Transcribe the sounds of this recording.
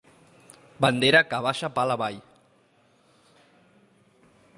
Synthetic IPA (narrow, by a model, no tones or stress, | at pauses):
band̪eɾakaβaʃapalaβaj